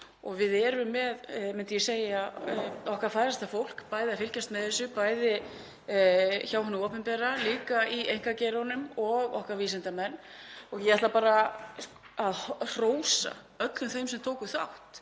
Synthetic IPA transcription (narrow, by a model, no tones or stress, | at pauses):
ɔɣvɪðɛɾʏmːɛðmɪnt̪ʏjɛseːjaɔhkvafaːjɾast̪afowl̥kpaːjðɪafɪlcast̪mɛðɛsːʏpaːjðɪ | çaːwɦanʏɔːpɛmpɛɾaliːkaiejŋkacɛɾanʏmɔɣɔhkvaɾviːsɪnt̪amɛnːɔɣjɛðaht̪lapaːɾa | aðhr̥oːwsa̰ | œt̪lʏmθejmsɛmt̪ʰoːwkʏθa̰wht̪